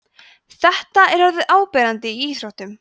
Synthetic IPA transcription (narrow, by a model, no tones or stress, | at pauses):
θɛht̪aɛɾ̥aɾðɪðʔaːwpɛːɾant̪ɪiiːsɾawht̪ʏm